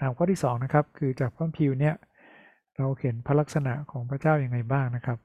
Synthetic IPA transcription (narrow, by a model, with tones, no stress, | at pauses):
naː˩˦mkʰɔː˥˩t̪iː˥˩sɔː˩˦ŋna˦˥kʰa˦˥p̚kʰɯː˧t͡ɕaː˨˩k̚pʰaː˥˩mpʰi˧wni˥˩ɐ | ɾa˧whe˩˦npʰa˦˥la˦˥k̚sa˧na̰˨˩ʔkʰɔː˩˦ŋpʰɾa˦˥t͡ɕaː˥˩wja˧ŋːa˧jbaː˥˩ŋna˦˥kʰa˦˥p̚